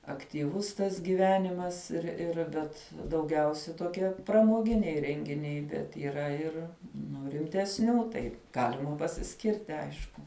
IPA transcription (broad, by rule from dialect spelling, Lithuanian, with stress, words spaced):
ɐktʲiːˈʋʊs tɐs ɡʲiːˈʋʲæːnʲɪmɐs ɪr ˈɪr ˈbʲɛt dɐʊˈɡʲɛʊsʲɛ toːˈkʲiɛ prɐmoːˈɡʲɪnʲɛɪ rʲɛŋʲɡʲɪˈnʲɛɪ bʲɛt iːˈrɐ ɪr ˈnʊ rʲɪmʲtʲɛsʲˈnʲuː tɐɪ ˈɡɑːlʲɪmɐ pɐsʲɪˈsʲkʲɪrʲtʲɪ ˈɐɪʃkʊ